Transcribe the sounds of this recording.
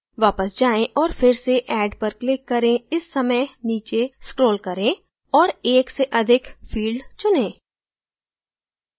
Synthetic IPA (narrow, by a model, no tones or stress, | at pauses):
ʋaːpəsd͡ʒaːẽʔɔːɾfɪɾseʔɛːɖpɐɾklɪkːɐɾẽɪsːɐməjniːt͡ʃeskɾoːlkɐɾẽ | ɔːɾeːkseʔɐd̪ʱɪkfʰiːlɖt͡ʃʊnẽː